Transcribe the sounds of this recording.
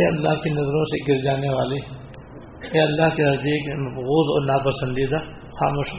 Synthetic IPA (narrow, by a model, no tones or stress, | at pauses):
eːɐlːa̰ɦkenɐzɾõseɡɪɾd͡ʒaːneʋaːle | eːɐlːaɦkenɐzd̪iːknemɐfɣuːzɔ̰ːɾnaːpəsə̃nd̪id̪a | xa̰ːmoːʃ